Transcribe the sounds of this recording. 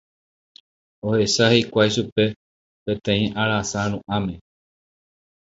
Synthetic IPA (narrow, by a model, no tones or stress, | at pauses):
ohe̞sahe̞jkʷajʃupe̞ | pẽ̞t̪ẽ̞ĩʔaɾasaɾ̃ũʔãmẽ